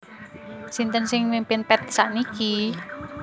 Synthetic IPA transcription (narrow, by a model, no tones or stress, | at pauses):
sint̪ənsɪŋmimpɪnpɛt̪̚saʔniki